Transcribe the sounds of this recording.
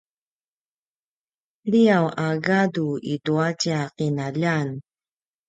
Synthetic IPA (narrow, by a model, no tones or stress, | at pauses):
liawʔaɡaduiduacaqinaʎan